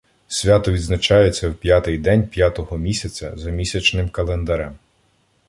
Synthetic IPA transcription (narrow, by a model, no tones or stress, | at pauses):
sʲʋʲat̪ɔʋʲid̪znɐt͡ʃɑjet͡sʲːɐwpʲjat̪ɪjd̪ɛnʲpjat̪ɔɦɔmʲisʲɐt͡sʲɐ̰zɐmʲisʲɐt͡ʃnɪmkɐlˠend̪ɐɾɛm